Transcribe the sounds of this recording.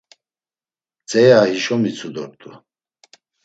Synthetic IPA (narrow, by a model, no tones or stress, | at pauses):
t͡sʼɛjahiʃɔmit͡sʰud̪ɔɾt̪ʼu